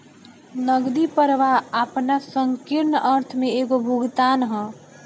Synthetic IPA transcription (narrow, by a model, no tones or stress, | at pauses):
nəɡd̪ipəɾʋaapnasəŋkiɾnəɾt̪ʰmeeɡobʱuɡt̪aːnɦə̃